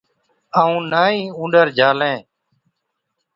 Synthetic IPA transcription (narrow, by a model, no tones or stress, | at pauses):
əːũːnaːĩːũːɖəɾd͡ʒʱaːlẽː